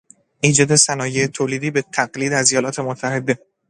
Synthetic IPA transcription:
ʔiːd͡ʒɒːd̪e̞sænɒːjeet̪ʰoːliːd̪iːbe̞t̪ʰæɢliːd̪æzejɒːlɒːt̪ʰe̞mot̪ʰːæhe̞d̪e̞

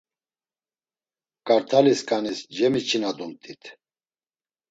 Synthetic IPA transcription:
kʼaɾt̪ʰaliskʼanisd͡ʒɛmit͡ʃʰinad̪unt̪ʼit̪ʰ

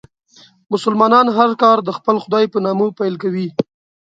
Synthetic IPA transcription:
mʊsʊlmɑnɑnɦaɾkɑɾd̪əxpəlxʊd̪ɑjpənɑmopajlkawi

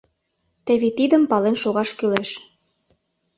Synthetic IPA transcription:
t̪ĕβit̪id̪ə̆mpɑlenʃoɣɑʃkyleʃ

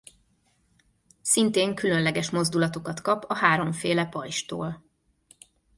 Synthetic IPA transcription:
sint̪eːŋkylønlɛɡɛʃmo̞zd̪ulɒt̪o̞kɒt̪kɒpɒhaːɾo̞ɱfeːlɛpɒjʃt̪o̰ːl

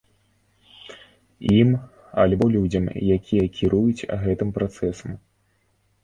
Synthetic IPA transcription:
im | ɐlʲbɔlʲud͡zʲɐmjakʲʰijɐkʲiɾujut͡sʲɣɛt̪ɨmpɾat̪sɛsɐm

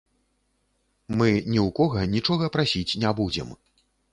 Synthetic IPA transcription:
mɨnʲiwkɔɣɐnʲit͡ʂɔɣɐpɾasʲit͡sʲnʲabud͡zʲɛ̰m

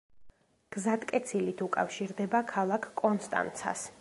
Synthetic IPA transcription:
ɡ̥zad̪kʼɛt̪sʰilit̪ʰukʼa̰fʃiɾd̪ɛbakʰalˠakʰkʼːɔnst̪ʼa̰nt̪sʰa̰s

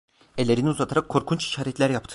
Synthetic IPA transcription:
elʲe̞ɾiniuzat̪ʰaɾakʰːo̞ɾkʰunt͡ʃi̥ʃaːɾɛt̪lʲæɾjapt̪ʰɯ̥

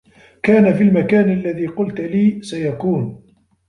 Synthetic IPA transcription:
kaːnafilmakaːnʔalːaðiːqʊlt̪liːsajakuːn

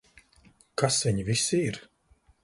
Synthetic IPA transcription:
kasviɲvisiiɾ

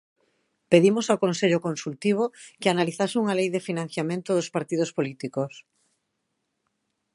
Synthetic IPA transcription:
peðimosawkõnseʎokonsult̪iβ̞okeanaliθasɪuŋalejðefinãn̟θjamẽnt̪ʊðospaɾt̪ið̞ospolit̪ikos

